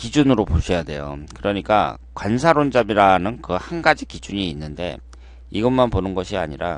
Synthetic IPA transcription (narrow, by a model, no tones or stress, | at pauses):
kid͡ʑunɯɾopoɕʰʌjade̞̰jo̰kɯɾʌɲik͈a̰ | kwansʰaɾond͡ʑamiɾanɯnkɯhanɡad͡ʑikid͡ʑuɲiːnːɯnde̞̰ | iɡʌnmanponɯnɡʌɕʰia̰ɲiɾa̰